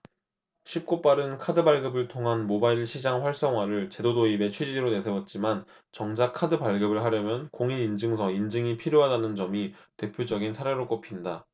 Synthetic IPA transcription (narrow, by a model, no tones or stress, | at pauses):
ɕʰip̚k͈op͈aɾɯnkʰadɯbaɭɡɯbɯɭtʰoŋɦanmobaiɭɕʰid͡ʑaŋɸwaɭs͈ʌŋɦwaɾɯɭt͡ɕe̞dodoibe̞t͡ɕʰwed͡ʑiiɾone̞sʰewʌt̚t͡ɕ͈iman | t͡ɕʌŋd͡ʑakʰadɯpaɭɡɯbɯɭɦaɾjʌmjʌnkoŋinind͡ʑɯŋsʰʌind͡ʑɯŋipʰiɾjoɦadanɯnd͡ʑʌmite̞pʰjod͡ʑʌɡinsʰaɾe̞ɾok͈opʰinda